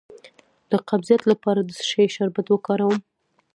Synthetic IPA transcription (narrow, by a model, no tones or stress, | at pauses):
d̪̥əqabzijat̪lapɑɾad̪əsʃɑjeʃaɾbat̪wəkɑɾawəm